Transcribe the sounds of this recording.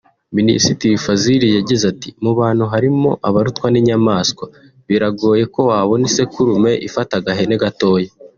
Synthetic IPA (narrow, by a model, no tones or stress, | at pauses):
minḭsitiwifaziɾijaɟizatimuβaːn̥huɦaɾimo̞̰ʔaβaɾutkwaniɲamaːskwa | βiɾaɡo̞ːje̞ko̞waːβo̞nisekuɾume̞ʔifataɡaɦe̞neɡato̞ːje